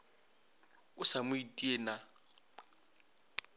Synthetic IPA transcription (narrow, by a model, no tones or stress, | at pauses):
ʊsamʊitʼieːna